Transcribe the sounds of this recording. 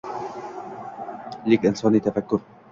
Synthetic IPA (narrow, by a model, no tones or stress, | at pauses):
lɪkʔɪnsɑːnit̪afakːʊɾ